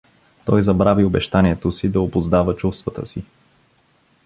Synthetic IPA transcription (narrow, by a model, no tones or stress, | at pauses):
t̪ɔjzɐbɾaviobɛʃt̪anʲiɛt̪osid̪ɐobʊzd̪avət͡ʃust̪vət̪ə̰si